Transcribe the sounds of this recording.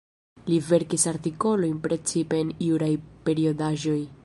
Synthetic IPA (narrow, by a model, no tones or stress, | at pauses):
live̞ɾkisaɾtiko̞lo̞jnpɾe̞t͡sipe̞ːniwɾajpe̞ɾio̞daʒo̞j